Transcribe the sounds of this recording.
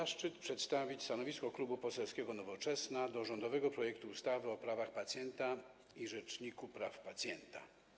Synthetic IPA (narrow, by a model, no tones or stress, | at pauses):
aʂt͡ʂɘt̪pʂɛt̪st̪avʲit͡ɕst̪anɔvʲiskɔklubupɔsɛlskʲɛɡɔnɔvɔt͡ʂɛsnad̪ɔʐɔnd̪ɔvɛɡɔpɾɔjɛkt̪uːst̪avɘɔpɾavaxpat̪sʲjɛnt̪a | iʐɛt͡ʂɲikupɾafpat̪sʲjɛnt̪a̰